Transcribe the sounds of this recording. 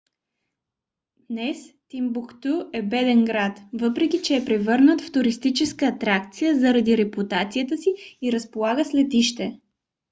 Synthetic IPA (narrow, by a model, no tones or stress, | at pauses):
d̪nɛst̪imbukt̪uɛbɛd̪ɛnɡɾat̪vɤpɾɛk̟ʲit͡ʃɛːpɾɛvɤɾnət̪ft̪ʊɾist̪it͡ʃɛskəːt̪ɾakt̪sijəzɐɾɐd̪iɾɛput̪at̪sijət̪əsiːɾəspolˠaɡəslɛt̪iʃt̪ɛ